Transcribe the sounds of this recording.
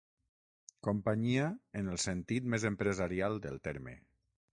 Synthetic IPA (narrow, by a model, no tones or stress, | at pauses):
kompaɲiaenəlˠsent̪it̪mezempɾezaɾialˠd̪ə̰lˠt̪ɛɾmḛ